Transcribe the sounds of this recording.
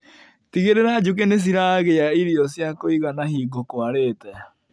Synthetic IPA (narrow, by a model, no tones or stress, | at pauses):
t̪iɣeɾeɾaːd͡ʒuk̬enes̬iɾaɣejaiɾiosiakoiɣanahiːɡokoaɾeːt̪aja